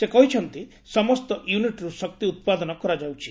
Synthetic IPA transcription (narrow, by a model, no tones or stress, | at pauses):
sekɔɦit͡ʃʰɔnt̪i | sɔmɔst̪ɔʔjuniʈɾusɔk̚t̪iut̪̚pad̪ɔnɔkɔɾad͡ʒawt͡ʃʰi̥